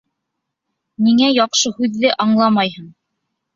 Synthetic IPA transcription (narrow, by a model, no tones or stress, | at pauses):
niŋæjɑqʃɤhʉðːɘʔɑɴlˠɑmɑjhɤɴ